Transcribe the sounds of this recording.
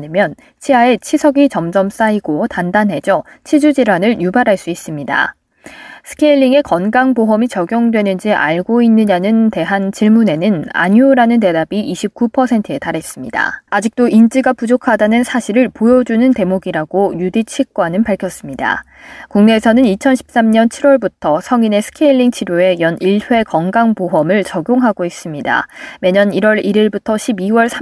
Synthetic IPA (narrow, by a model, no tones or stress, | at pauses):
ɯmjʌn | t͡ɕʰiae̞t͡ɕʰisʰʌɡit͡ɕʌmd͡ʑʌms͈aiɡotandanɦe̞d͡ʑʌ | t͡ɕʰid͡ʑud͡ʑiɾwanɯɭjubaɾɦaɭs͈uis͈ɯmɲida̰ | sʰɯ̥kʰeʎːiŋe̞kʌnɡaŋpoɦʌmit͡ɕʌɡjʌŋdwe̞nɯnd͡ʑiʔa̰ɭɡoinːɯɲanɯnte̞ɦant͡ɕiɭmune̞nɯna̰ɲuːɾanɯnte̞dabiʔːɕʰip̚k͈upʰʌsʰe̞ntʰɯe̞taɾɦe̞s͈ɯmɲida̰ad͡ʑik̚t͈oʔint͡ɕ͈iɡapud͡ʑokʰadanɯnsʰaɕʰiɾɯɭpojʌd͡ʑunɯnte̞moɡiɾaɡ̥ojudit͡ɕʰik͈wanɯnpaɭkʰjʌs͈ɯmɲida̰ | kuŋne̞ːsʰʌnɯnit͡ɕʰʌnɕʰi̥p̚s͈amɲʌnt͡ɕʰiɾwʌɭbutʰʌsʰʌŋine̞sʰɯ̥kʰeiɭːiŋt͡ɕʰiɾjoe̞jʌniɭɸwe̞kʌŋɡaŋpoɦʌmɯɭt͡ɕʌɡjoŋɦaɡois͈ɯmɲida̰me̞ɲʌniɾwʌɾiɾiɭbutʰʌɕʰibiwʌɭsʰa